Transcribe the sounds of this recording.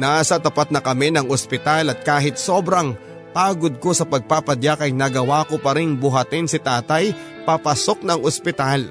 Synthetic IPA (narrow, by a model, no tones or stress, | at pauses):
naːsɐt̪ɐpat̪̚nɐkɐmɛnɐŋospɪt̪alɐt̪̚kaːɦɪt̪̚so̞ːbɾɐŋ | paːɡod̪̚ko̞sɐpɐɡ̚paːpɐd̪jakɐjnɐɡɐwaːkopɐɾɪŋbʊɦɐt̪ɪnsɪt̪aːt̪ɐj | papɐso̞k̚nɐŋʔospɪt̪al